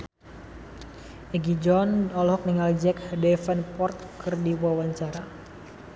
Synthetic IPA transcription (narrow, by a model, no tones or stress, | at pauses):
ʔɛɡid͡ʒɔnɔlhɔk̚niŋald͡ʒɛkdɛfanpɔrt̪̚kɨrdiwawaɲt͡ʃaɾa